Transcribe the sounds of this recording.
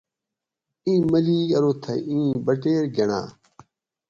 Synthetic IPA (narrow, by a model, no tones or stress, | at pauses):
ĩːmɐliɐɾoːt̪ʰɐ̰ʔĩːbɐʈeːɾɡɐɳa̰ː